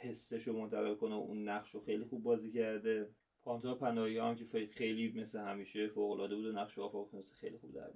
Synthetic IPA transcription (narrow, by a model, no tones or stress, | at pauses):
he̞sːeʃomont̪ʰæɣe̞lkoneʔunːæχʃoxejlixub̚ːɒːziːcæɾd̪e | pʰɒːnt̪ʰɒpʰænɒːiɒæmcʲʰefexejliːme̞slehæmiːʃefoːɣolɒːd̪e̞buːd̪onæχʃoɒːfɒɣmese̥xejlixubd̪æ̰ɾbi